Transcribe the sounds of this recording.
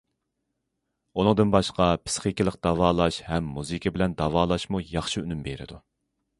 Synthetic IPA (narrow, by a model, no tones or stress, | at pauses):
unɨŋd̪ɨnbɑʃqɑpʰɪ̥sχikʲilˠəqd̪̥ɑvɑːlˠɑʃhɛmːuzikʲʰibɪlɛnd̪ɑvɑːlˠɑʃmujɑχʃiynymbeɾɪ̰d̪u